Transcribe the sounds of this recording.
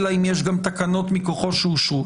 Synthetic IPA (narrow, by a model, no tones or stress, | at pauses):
laimjeʃɡamt̪akano̞t̪miko̞χo̞ʃeuʃu